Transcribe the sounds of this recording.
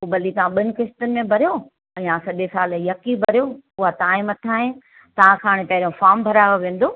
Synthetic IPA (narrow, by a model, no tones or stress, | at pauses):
ubɐlit̪ɐʋãɓɪnɪ̆kɪsʈənɪ̆mẽbʱɐɾijo | ɛ̃ãsɐʄesaːlijɐkibʱɐɾijoʊɦat̪aːɪ̃mɐt̪ʰaːɦɪ̃ | t̪ɐʋ̤ãkʰaːɽ̃ɪpɐɦɪɾijõfaːɾmbʱɐɾaːoʋẽːn̆d̪oː